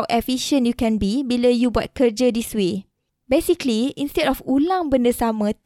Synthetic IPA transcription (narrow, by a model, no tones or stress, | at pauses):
wʔɛfiʃə̃njukɛ̃nbibiləjubɔt̚kəd͡ʒədiswe | besikliĩnstɛdɔfulãŋbəndəsamə̃